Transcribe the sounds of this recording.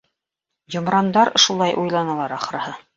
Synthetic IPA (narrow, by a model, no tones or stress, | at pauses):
jŏmɾɑnd̪ɑɾ̆ʃulˠɑjʔujlˠɑnɑlˠɑɾɑχɾɑhɤ